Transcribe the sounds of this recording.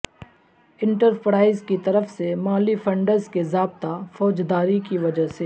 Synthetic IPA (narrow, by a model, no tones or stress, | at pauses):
ɪ̃ɳʈəɾpɾaːɪzkit̪ɐɾəfsemaːlifɐ̃ɳɖəɾzkezaːb̚t̪afɔːd͡ʒd̪aːɾikiʋɐd͡ʒəseː